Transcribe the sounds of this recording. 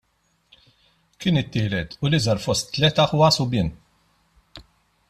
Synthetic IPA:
kɪːnɪt̪ːɪːlɛt̪ʊlɪzɐɾfɔst̪ːlɛt̪ɐħʊwɐsʊbɪːn

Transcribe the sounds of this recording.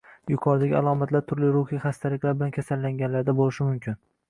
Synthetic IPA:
jʊkʰɒɾd̪aɡʲɪalˠɒmat̪ʰlaɾt̪ʰʊɾlɪɾʊχiχast̪ʰalɪkʲlaɾbɪlankʲʰasalːaŋɡʲanlaɾd̪abolɪʃɪmʊmkʲʰɪn

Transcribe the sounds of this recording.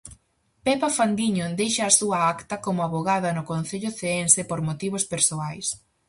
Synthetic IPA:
pɛpafand̪iɲod̪ejʃɐːsuɐakt̪ɐkomʊaβoɣaðɐnʊkon̟θeʎʊθeɛnsepoɾmot̪iβ̞ʊspeɾsoajs

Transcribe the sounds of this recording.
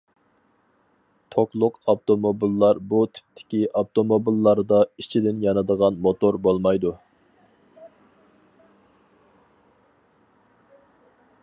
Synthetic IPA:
t̪ʰoklˠʊqɑpt̪omobilːɑɾbut̪ʰi̥p̚t̪ʰːɪ̥kʲiʔɑpt̪omobilːɑɾd̪ɑit͡ʃʰid̪ɪnjɑnɨd̪əʁɑnmot̪oɾbolˠmɑjd̪u

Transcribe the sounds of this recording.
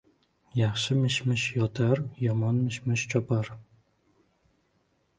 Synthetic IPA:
jɑχʃɪmɪʃmɪʃjɒt̪ʰaɾjɒmɒnmɪʃmɪʃt͡ʃʰɒpaɾ

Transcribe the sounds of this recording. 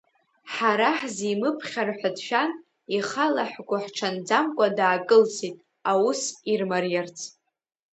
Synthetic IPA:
ħaɾaħzimɨpʰχʲarħʷadʃᶣan | iχalaħɡʷʊħʈ͡ʂʰand͡zamkʷʼadaːkʼɨlsʰitʼ | awusirmarjart͡sʰʼ

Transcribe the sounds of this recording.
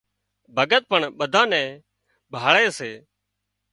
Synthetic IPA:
bʱəɡət̪̚pəɳɓəd̪ʱãːnɛ̃ː | bʱaːɭeːseː

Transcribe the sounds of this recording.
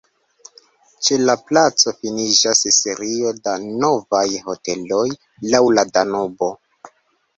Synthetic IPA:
t͡ʃe̞laplat͡so̞finid͡ʒasise̞ɾio̞dano̞vajho̞te̞lo̞j | lawladanobo̞

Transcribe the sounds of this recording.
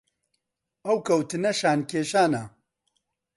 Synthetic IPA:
ɐwkʰɐwt̪ɨnɐʃaːnkʰeːʃaːnɐ

